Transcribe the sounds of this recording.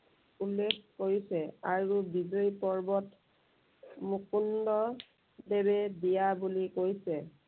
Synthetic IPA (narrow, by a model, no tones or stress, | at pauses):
ulːekʰkoɹisɛaɹubizɔjpɔɹbɔt | mukundɔ | deβɛdijabulikojsɛ